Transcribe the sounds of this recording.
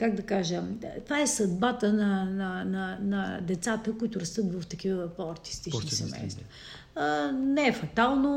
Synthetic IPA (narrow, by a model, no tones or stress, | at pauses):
kaɡd̪ɐkaʒəmt̪vaɛsɐd̪̚bat̪ənɐnɐnɐnɐd̪ɛt̪sat̪əkoit̪ʊɾɐst̪ɤt̪vɐft̪ɐk̟ivəpɔɐɾt̪i̥st̪ik̪isɛmɛ̰jst̪vɐ | nɛɛfɐt̪alˠno